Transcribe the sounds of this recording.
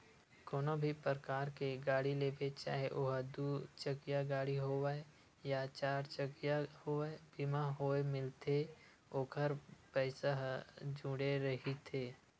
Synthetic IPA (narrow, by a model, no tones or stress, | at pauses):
koːnobʱipəɾəkaːɾkeɡaːɽileːbet͡ʃa̰ːɦeʔoːɦəd̪uːt͡ʃəɡjaɡaːɽiɦowae | jat͡ʃaːɾt͡ʃəɡjahoːebiːmaɦoːemɪlt̪e | oːkʰəɾpɛːsəɦd͡ʒũːɽeɾəɦit̪ʰeː